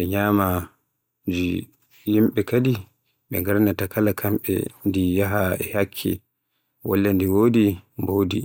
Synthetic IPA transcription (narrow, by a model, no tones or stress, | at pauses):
ɛɲaːma | d͡ʒi | jimɓɛkadi | ɓɛ̰ŋɡaɾnatakalakʰamɓɛ̰ndijaɦaɛhakʰːḭ | wɔ̰lːandiwoːdimboːdi